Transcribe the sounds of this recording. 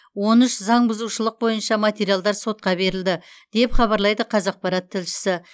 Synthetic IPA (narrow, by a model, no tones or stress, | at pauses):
wo̞nʏʃzɑɴbʊzuʃəlˠəq̚bo̞jənʃɑmat̪ʲe̞ɾijalˠd̪ɑɾso̞t̪̚qɑbe̞ɾɪld̪ɪ | d̪̥e̞pχɑβɑɾlˠɑjd̪əqʰɑzɑq̚pɑɾɑt̪ʰːɪlʃɪ̥sɪ